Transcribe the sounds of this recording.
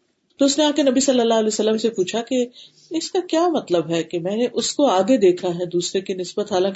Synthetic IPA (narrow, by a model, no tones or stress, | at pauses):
t̪oʊsneaːkenɐbisɐlːəlːaːɦɐlɛːsəlːəmsepuːt͡ʃʰake | ɪskakjaːmɐt̪ləbɦɛkemɛ̃ːneʔʊskoaːɡed̪eːkʰaɦɛd̪uːsɾekinɪsbət̪ɦaːlãːk